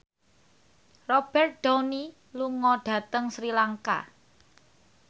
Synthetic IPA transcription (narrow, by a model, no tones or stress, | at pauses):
rɔb̥ɛrt̪̚ɖ̥awni | luŋɔɖ̥ä̤t̪əŋsɾilaŋka̰